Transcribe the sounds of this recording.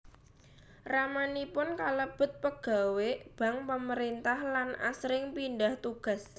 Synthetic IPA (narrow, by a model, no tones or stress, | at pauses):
ramanipʊnkaləb̥ə̤t̪̚pəɡ̥a̤web̥a̤ŋpəməɾint̪ahlana̰sɾɪŋpindaht̪uɡ̥a̤s